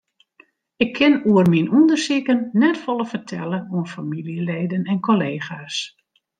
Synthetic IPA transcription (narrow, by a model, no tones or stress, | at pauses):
ɪkʰːɪnuərminundərsikənːɛtfɔlˠəfərtʰɛ̰ləuənfamiliəleːdənɛnkoleːxaːs